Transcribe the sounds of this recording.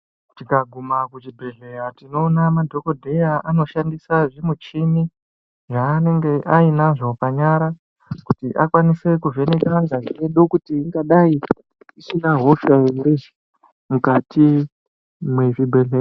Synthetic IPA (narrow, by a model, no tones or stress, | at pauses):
tikaɡʱumakut͡ʃibʱe̞ɮe̞jatino̞ːnamadʱo̞ko̞dʱe̞jaano̞ʃandisaʐimut͡ʃini | ʐaːne̞ŋɡe̞ʔainaʐo̞paɲaɾa | kutiʔakwanise̞kuve̞nekaŋɡaʐieɗo̞kutiːŋɡaɗai | isinaɦo̞ʃajemuɾeʒi | mukatʰi | mweʐibʱe̞ɮea